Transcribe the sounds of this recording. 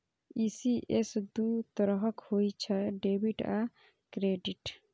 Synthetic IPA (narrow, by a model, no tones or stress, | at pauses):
isiʔesd̪ut̪ɔɾɔɦɔkhojt͡ʃʰaɖebiʈa | kɾeɖiʈ